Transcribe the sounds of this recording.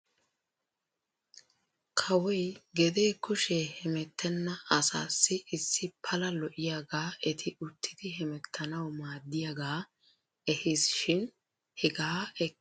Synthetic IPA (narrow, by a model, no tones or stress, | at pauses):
kʰɐwɛjɡɛd̪e̞ːkːʊʃehɛmɛt̪ːɛnːɐɐsa̰ːsːɪʔɪsːɪpʰɐlɐlɔʔɪjaːɡaːʔɛt̪ʰɪʔʊt̪ʰːɪd̪ɪɦɛmɛt̪ʰːɐnɐwmaːd̪ːɪjaɡaː | ɛhɪsʃɪn | hɛɡaːɛ